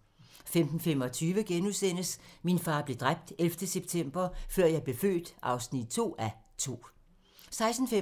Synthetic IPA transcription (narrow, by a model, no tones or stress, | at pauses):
femd̥n̩fem̰ɒ̽t͡sʰyːʋəɡ̥enuðsen̰əsminfɑ̈ːb̥le̝d̥ʁab̥̚d̥elfd̥əseb̥t͡sʰem̰b̥ɐfɶɐ̰jɑ̈ɪb̥le̝fø̰ːd̥ʔɑ̈ʊsnid̥̚t͡sʰo̝̰ːæ | t͡sʰo̝̰ː | sɑ̈ɪsn̩fe